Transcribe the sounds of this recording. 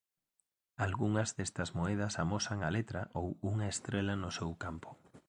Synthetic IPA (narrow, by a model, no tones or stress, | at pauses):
alɣuŋɐzðest̪ɐzmoɛð̞ɐsamosɐŋɐlet̪ɾɐʔowuŋɐest̪ɾelɐnʊsewkampʊ̥